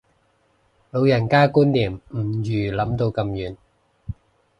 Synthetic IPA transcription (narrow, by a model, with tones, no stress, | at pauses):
lo˨˧wjɐ˨˩nkaː˥kuː˥nːiː˨˩mm̩˨˩jyː˨˩lɐ˨˥mt̪o˧wkɐ˧mjyː˨˩n